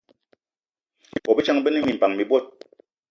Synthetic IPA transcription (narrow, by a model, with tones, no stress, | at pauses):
bɔ˨bi˦t͡ʃa˦ŋbə˦ni˦mi˨m̩˨pa˨ŋmi˨bwɔ˦˨t̚